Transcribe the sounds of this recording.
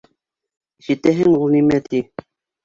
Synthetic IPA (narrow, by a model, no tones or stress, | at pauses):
ʒit̪æɦɘŋulˠnimæt̪i